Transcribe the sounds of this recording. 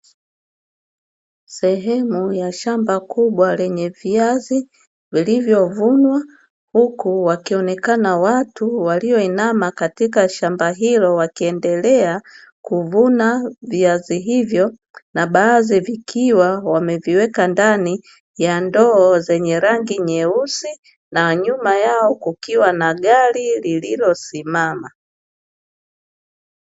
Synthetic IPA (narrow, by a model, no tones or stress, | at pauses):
sɛɦɛmujaʃambakuɓwalɛɲɛviazi | vilivjɔvunwa | hukuwakiɔnɛkanawatuwaliɔinamakatikaʃambaɦilɔwakiɛndɛlɛa | kuvunaviaziɦivjɔ | naɓaːzivikʰiwawamɛviwɛkandani | jandɔːzɛɲɛɾaŋɡiɲɛusi | naɲumajaɔkukiwanaɠaɾilililɔsimama